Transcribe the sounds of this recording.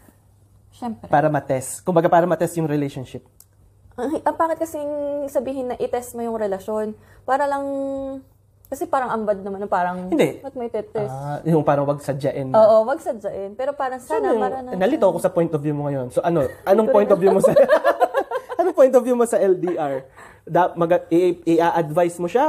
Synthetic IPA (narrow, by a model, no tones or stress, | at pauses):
ʃɛmppaːɾɐmɐt̪ɛst̪kʊmbɐɡapaːɾɐmɐt̪ɛst̪jʊŋɾɪlejʃonʃɪp̚ | ʔɐŋʔɐpaːkɪt̪̚kɐsɪŋsɐbiːɦɪnːɐʔɪt̪ɛst̪̚mojʊŋɾɛlɐʃo̞n | paːɾɐlɐŋ | kɐsɛpaːɾɐŋʔɐmbɐd̪̚nɐmanopaːɾɐŋɪnd̪ɛmɐt̪̚mɐjt̪ɛt̪ːɛjʊŋpaːɾɐŋwɐɡ̚sɐd͡ʒɐʔɛnʔoːʔowɐɡsɐd͡ʒɐʔɛnpɛːɾo̞paːɾɐŋsaːnɐaɾanɐnɐlɪt̪oːkosɐpojnt̪ovjumoŋɐjo̞nsoʔɐno̞ʔɐnoŋpojnt̪ovjumosɐ | ʔɐnoŋpojnt̪ovjumosɐʔɛld̪iʔaɹ | d̪ɐmɐɡɐɪʔɪʔaːʔɐd̪vajsmoʃa